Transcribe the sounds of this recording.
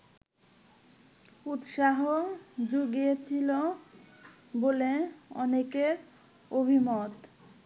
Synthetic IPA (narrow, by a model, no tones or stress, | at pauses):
ut̪ʃaɦod͡ʑuɡiet͡ɕʰilo | boleɔ̰nekeɾ | obʱimot̪